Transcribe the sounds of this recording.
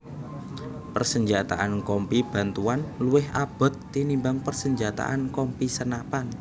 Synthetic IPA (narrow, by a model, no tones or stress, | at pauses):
pərsəɲd͡ʒat̪a̰ʔankɔmpib̥a̤nt̪uanluɪhab̥ɔ̤t̪ːinimbaŋpərsəɲd͡ʒat̪a̰ʔankɔmpisənapan